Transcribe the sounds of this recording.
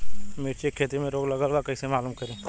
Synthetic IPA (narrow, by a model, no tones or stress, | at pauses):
meːɾt͡ʃekʰːeːt̪imẽɾoːɡlɐɡəlʋakɐisemaːluːmkɐɾẽː